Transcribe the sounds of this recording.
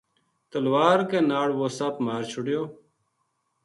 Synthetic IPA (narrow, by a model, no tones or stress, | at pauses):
t̪əlwaːɾkeːnaːɽʋoːsaːpmaːɾt͡ʃʰʊɽjoː